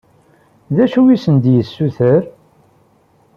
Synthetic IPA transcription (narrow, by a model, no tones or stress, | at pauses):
ðæʃuwisənd̪jəsːuθəɾ